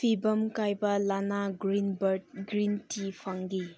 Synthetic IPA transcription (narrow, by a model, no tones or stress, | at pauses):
pʰibɐmkajbɐlanaɡɾinbɐɾd̚ɡɾintipʰɐŋɡi